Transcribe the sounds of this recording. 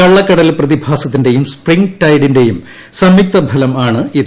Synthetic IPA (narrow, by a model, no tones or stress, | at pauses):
ɐɭːɐkːɐɽɐlprɐðibʱaːsɐt̪̬ːinde̞jumspriŋɡʈɐjɽinde̞jum | sɐmjuk̚t̪ɐbʱɐlɐmaːɳɨið